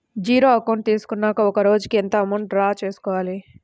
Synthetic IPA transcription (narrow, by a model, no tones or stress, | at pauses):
d͡ʒiːɾoːɐkɐwɳʈ̚t̪iːsu̥kunːaːkɐɔkɐɾoːd͡ʒkient̪ɐɐmɐɳʈɖɾaːt͡ʃeːsu̥kɔːʋaːli